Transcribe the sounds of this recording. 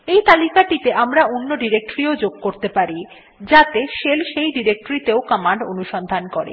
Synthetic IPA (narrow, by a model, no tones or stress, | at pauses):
ejt̪alikaʈit̪eʔamɾaonːoɖiɾek̚ʈoɾiod͡ʑoɡ̚koɾt̪epaɾi | d͡ʑat̪eʃelʃejɖiɾek̚ʈoɾit̪eokɔmaɳɖo̰nuʃɔnd̪ʱankoɾḛ